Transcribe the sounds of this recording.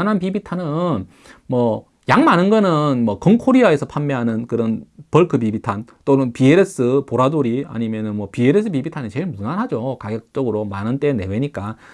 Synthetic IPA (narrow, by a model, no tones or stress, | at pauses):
nɦanpibitʰanɯn | mʌ | jaŋmanɯnɡʌnɯnmwʌkʌŋkʰoɾiae̞sʰʌpʰamːeɦanɯnkɯɾʌnpʌɭkʰɯpibitʰant͈onɯnpieɾes͈ɯpoɾadoɾia̰ɲimjʌnɯnmwʌpieɾes͈ʰɯpibitʰanet͡ɕe̞ɭmunanɦad͡ʑokaɡʌk̚t͡ɕ͈ʌɡɯɾomanɯnt͈e̞ne̞weɲik͈a